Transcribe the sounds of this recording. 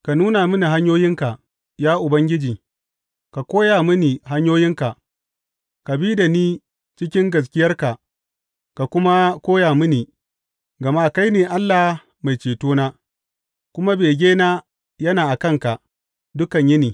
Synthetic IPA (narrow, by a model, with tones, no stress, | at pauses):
ka˨nuː˦na˨mɪ˦ni˨ɦa˦ɲjoː˦jɪ˦ŋka˨ | jaː˦ʔʊ˨bɐ˦ŋɡʲɪ˦d͡ʒiː˨ | ka˨kʷoː˦jaː˨mɪ˦niː˨ɦa˦ɲjoː˦jɪ˦ŋka˨ʔ | ka˨biː˦da˨niː˦ | t͡ʃɪ˦kʲɪ˦ŋɡɐ˨s̬kʲɪ˦jɐ˦rka˨ʔ | ka˨kʷʊ˦ma˦kʷoː˦jaː˨mɪ˦ni˨ | ɡɐ˨ma˦˨ka˦jneː˨ʔa˦lːa˨h | ma˨jt͡ʃeː˨toː˦naː˦ | kʷʊ˦ma˦beː˨ɡʲeː˦naː˦ | jɐ˦naː˨ʔa˨kɐ˦ŋka˨ʔ | dʊ˦kɐ˨ɲjɪ˦niː˨